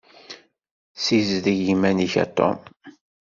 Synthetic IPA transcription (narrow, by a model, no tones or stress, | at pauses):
sizðiʝimæniçæ̰t̪ːɔ̰m